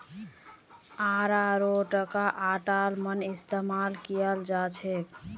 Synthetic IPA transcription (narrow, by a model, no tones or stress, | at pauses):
aɾaɾoʈəkaʔaʈalmənist̪emalkijəld͡ʒat͡ʃʰɛk